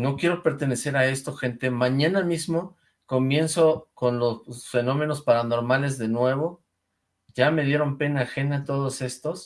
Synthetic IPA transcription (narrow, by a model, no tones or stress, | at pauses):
no̞kje̞ɾope̞ɾt̪e̞ne̞se̞ɾae̞st̪o̞xe̞nt̪e̞mãɲãnamizmo̞ | ko̞mje̞nso̞ko̞nlo̞ssfe̞nõ̞me̞no̞spaɾano̞ɾmale̞zðe̞nwe̞βo̞ | ʝame̞ðje̞ɾo̞mpe̞naːxe̞nat̪o̞ð̞ose̞st̪o̞s